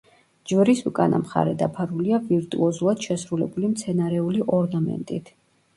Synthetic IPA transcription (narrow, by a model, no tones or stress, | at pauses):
d͡ʒvɾisukʼanʔa̰mχa̰ɾɛd̪apʰaɾuliaviɾt̪ʼuɔzulˠad̪̥ʃɛsɾulɛbulimt̪sʰɛnaɾɛuliʔɔɾnamɛ̰nt̪ʼit̪ʰ